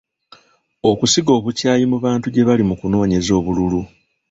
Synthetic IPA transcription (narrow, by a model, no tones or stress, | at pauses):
o̞kusiɡo̞ːβucaːjimuβaːntuɟe̞βalimukuno̞ːɲe̞zo̞ːβululu